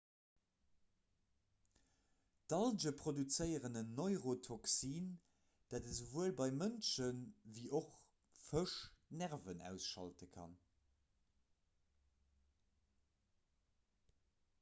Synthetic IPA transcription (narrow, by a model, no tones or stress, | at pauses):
d̥ɑld͡ʒəpʰχodut͡səɪəʁənənːoɪʁotʰoksiːn | d̥adəzəvuəlbɑɪmənʃənviːʔoχ | fəʃnæʁvənæ̰ʊsʃɑ̰ltəkʰɑ̰n